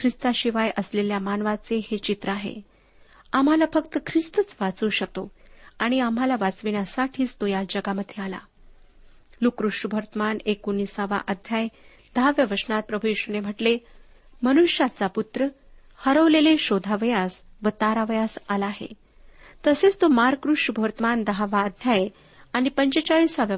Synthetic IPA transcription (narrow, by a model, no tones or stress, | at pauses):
kʰɾist̪aɕiʋajʔəsleljamanʋat͡sehet͡ɕit̪ɾəaɦḛ | am̤alafəkt̪əkʰɾist̪ət͡sʋat͡suːɕək̚t̪oaɽ̃iamalaʋat͡sʋinjasaʈʰiːst̪ojad͡ʑəɡaməd̪ʱːjeala̰ | lukɾuʂubʱəɾt̪əmanekunisaʋa̰ʔəd̪ʱjaj | d̪̥əɦaʋjəʋəsnat̪̚pɾəbʱujeɕunem̤əʈle | mənuɕjat͡saput̪ɾə | həɾəʋleleɕod̪ʱaʋəjasʋət̪aɾaʋəjasalaːɦḛ | t̪əset͡st̪omaɾkɾuʂubʱəɾt̪əmand̪əɦaʋaəd̪ʱjaj | aɽ̃ipəɲt͡ɕet͡ɕaʋisaʋjə